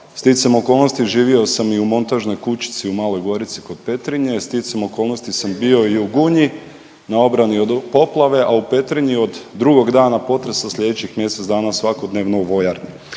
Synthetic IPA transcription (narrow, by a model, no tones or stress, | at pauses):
st̪isemo̞ko̞ːlˠno̞st̪iʒiːʋiosamiumo̞nt̪aʒno̞jkut͡ɕi̥t̪siumaːlo̞jɡo̞ɾit̪si̥ko̞d̪̚pe̞t̪ɾiɲe̞st̪isemo̞ko̞ːlˠno̞st̪isambio̞iuɡuɲi | nao̞bɾaniod̪po̞plˠaʋe̞ʔaupe̞t̪ɾiɲio̞d̪ːɾuɡo̞ɡd̪aːnapo̞t̪ɾesaslʎʲe̞d̪et͡ɕixmje̞sezd̪aːnasʋako̞d̪neʋnouʋo̞jaɾni